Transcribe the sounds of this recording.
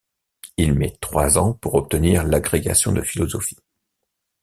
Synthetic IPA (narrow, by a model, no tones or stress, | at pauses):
ilmɛt̪χwazɑ̃puʁɔp̚t̪əniʁlaɡʁeɡa̰sjɔ̃d̪əfilɔzɔfi̥